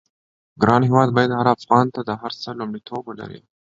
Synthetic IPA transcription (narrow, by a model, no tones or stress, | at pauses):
ɡɾɑnɦewɑd̪̚bɑjad̪haɾafɣɑnt̪ad̪əɦaɾt͡səlumɽit̪ʰobwəla̰ɾḭ